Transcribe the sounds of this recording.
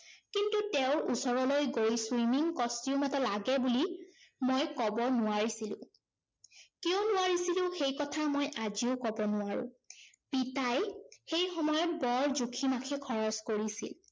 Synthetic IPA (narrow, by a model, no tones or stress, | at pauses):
kintuteʊɹʔusɔɹɔlojɡoɹiswimiŋkɔstiʊmatɔlaɡɛbulimojkɔbɔnʊwaɹisilʊ̰̃ | kiʊnʊwaɹisilʊ̃xejkɔtʰamojʔaziʊkɔbɔnʊaɹʊ̰̃ | pitajxejxɔmɔjɔt̚bɔɹzukʰimakʰikʰɔɹɔskoɹisḭl